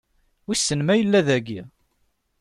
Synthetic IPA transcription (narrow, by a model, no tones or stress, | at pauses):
wisːənmæjəlːæðæɡi